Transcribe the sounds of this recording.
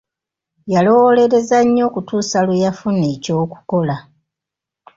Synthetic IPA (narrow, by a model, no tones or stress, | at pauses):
jalo̞wole̞ɾe̞zaɲːo̞ːkutuːsalujafuneco̞ːku̥ko̞la